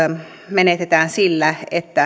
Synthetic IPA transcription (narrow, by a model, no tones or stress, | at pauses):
menet̪et̪æːnsilːæet̪ːæ